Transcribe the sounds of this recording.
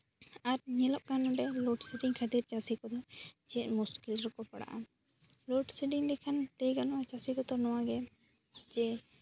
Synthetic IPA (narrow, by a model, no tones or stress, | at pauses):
aɾɲɛləʔ̚kanɔɖɛlɔʈsiʈiŋkʰəd̪iɾt͡ʃasikɔd̪ɔd͡ʒɛɛt̪̚muskilɾɔkɔpaɽa̰ʔa | lɔʈsiɖiŋd̪ɛkʰant̪ejɡanɔwat͡ʃasikɔt̪ɔnɔwaɡɛ | d͡ʒɛ